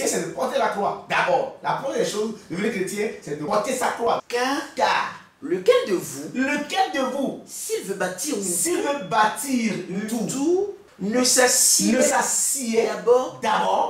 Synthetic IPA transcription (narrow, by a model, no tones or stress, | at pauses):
ɛ̃sɛd̪əpɔt̪elaklwad̪abɔʁlapad̪ɛʃozd̪əveneket̪iɛ̃sɛd̪əpɔt̪esaklwakakaʁ | ləkɛld̪əvuləkɛld̪əvusilvebat̪iʁnũsilvebat̪iʁlt̪ut̪u | nəsasinesasied̪abɔd̪abɔ